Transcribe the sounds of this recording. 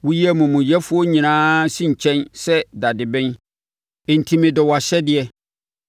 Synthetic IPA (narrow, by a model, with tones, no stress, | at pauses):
wʊ˦ji˦ɛ˦mũ˨mũ˨jɛ˦fʊ˦ɔ˦ɲĩ˨nãː˦sĩ˦ɲ̩˨t͡ɕʰɛ̃˦nsɛ˦da˨dɪ˨bɛ̃˦n˨ | n̩˨tʰĩ˦mɪ̃˨dɔ˨wa˨ɕɛ˦dɪ˦ɛ˨